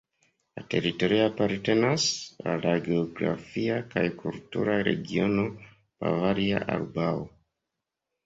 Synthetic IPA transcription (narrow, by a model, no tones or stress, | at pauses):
late̞ɾito̞ɾiapaɾte̞nasalaɡeoɡɾa̰fiakajkʰultṵɾaɾe̞̰ɡio̞no̞ | pa̰vaɾia̰ʔa̰lbao